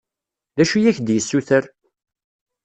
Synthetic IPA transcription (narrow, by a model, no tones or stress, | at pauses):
ðæʃujæçd̪jəsːuθəɾ